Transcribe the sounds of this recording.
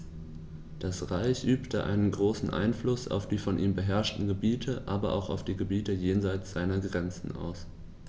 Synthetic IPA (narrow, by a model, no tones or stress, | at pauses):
d̥asʁaɪçʔyːptəʔa̰ɪnənɡʁoːsn̩ʔa̰ɪnflʊsa̰ʊfd̥iːfɔnʔiːmbəɦɛɐʃtn̩ɡəbiːtʰəʔaːbɐʔa̰ʊxaʊfd̥iːɡəbiːtəjeːnzaɪt͡sz̥aɪnɐɡʁɛnt͡sn̩ʔa̰ʊs